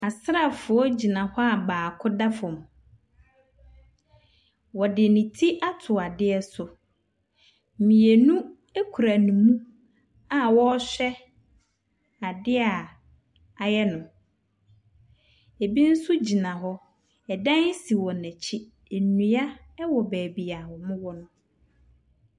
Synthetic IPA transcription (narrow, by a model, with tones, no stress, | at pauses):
a˨sɾa˦˨fʊ˨ɔ˦d͡ʑi˨nã˨hɔ˦a˨baː˨kʰʊ˦da˦fɔ̃˨m˨ | wɔ˨dɪ˨nĩ˨tʰi˦ʔa˦tʰʊ˨a˨dɪ˦ɛ˦sʊ˨ | m̩˨mĩ˨e˨nũ˦ | e˦kʰu˨ɾa˨nũ˨mũ˦ | a˨wɔ˦ɕᶣɛ˦ | a˨dɪ˦a˨ | a˨jɛ˦nʊ̃˨ | e˨bi˦n̩˦sʊ˦d͡ʑi˨nã˨ɦɔ˦ | ɛ˨dã˦n˦si˨wɔ˨nɛ̃˨t͡ɕʰi˦ | e˨nũ˨˦a˦ | ɛ˦wɔ˨bæː˨bi˨a˨hɔ˨mʊ̃˦wɔ˦nʊ̃˦